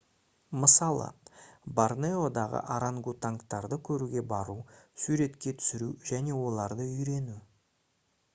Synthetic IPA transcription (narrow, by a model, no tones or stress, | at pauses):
məsɑlˠə̰barneod̪ɑʁə̰ʔaɾaŋɡut̪aŋkt̪ɑɾd̪əkʲʰɵɾuɡʲe̞bɑɾusuɾe̞t̪kʲe̞t̪ʰʏ̥sɪɾuʒæne̞wo̞lˠɑɾd̪əʏjɾe̞nu